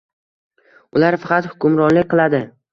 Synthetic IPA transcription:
ʊlaɾfɑqʰɑt̪hʊ̥kʲʊmɾɒnlɪkʲqʰɨlˠad̪ɪ

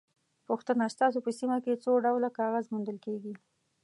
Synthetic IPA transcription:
puxt̪ənast̪ɑs̬opəsimaket͡soɖawlakɑɣazmund̪əlkeɡi

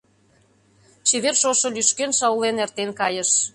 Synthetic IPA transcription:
ʃeβerʃoʃŏlyʃkenʃɑwlenert̪enkɑjə̆ʃ

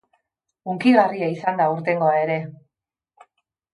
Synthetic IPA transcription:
uŋkiɣariaisand̪auɾt̪e̞ŋɡo̞ae̞ɾe̞

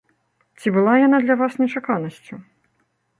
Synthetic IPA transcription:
t͡sʲibɨlˠajanad̪lʲɐvasnʲɛt͡ʂakanɐsʲt͡sʲu

